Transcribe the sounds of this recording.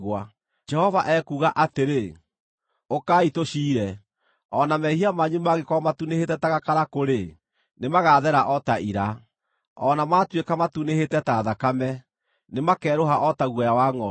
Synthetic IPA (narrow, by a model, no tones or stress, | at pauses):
ɣwa | d͡ʒɛhɔvaʔɛkuːɣaʔateɾe | okaːitoʃiːɾɛ | ɔnamɛhiamaɲumaɣekɔmatunehetɛtaɣakaɾakoɾe | nemaɣaðɛɾaʔɔtaʔiɾa | ɔnamaːtwekamatunehetɛtaðakamɛ | nemakɛːɾoɦaʔɔtaɣwɛjawaŋɔ